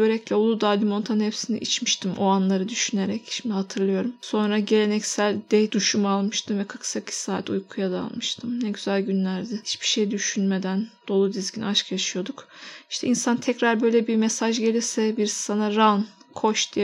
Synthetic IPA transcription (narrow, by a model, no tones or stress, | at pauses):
øɾɛclʲiolˠud̪alʲimo̞nt̪ʰanhepsinḭʔit͡ʃmiʃt̪ʰimʔoanlˠaɾɯd̪yʃyne̞ɾɛcʃimd̪ihat̪ʰɯɾlˠɯjo̞ɾumso̞nɾaɟe̞lʲe̞nɛcsælʲd̪ɛjd̪uʃumalˠmɯʃt̪ʰɯmvɛkʰḁksakʰi̥saːt̪ujkʰujad̪a̰lˠmɯʃt̪ʰɯmnɛɟyzælʲɟynlʲæɾd̪ɪhit͡ʃbiʃe̞jd̪yʃynme̞d̪ænd̪̥o̞lˠud̪izɟʲinaʃkjaʃɯjo̞d̪ukiʃt̪ʰɛinsant̪ʰɛcɾaɾbø̞jlʲɛbiɾmesaʒɟe̞lʲiɾsɛbiɾsi̥sanaɾan | kʰo̞ʃd̪ijɛ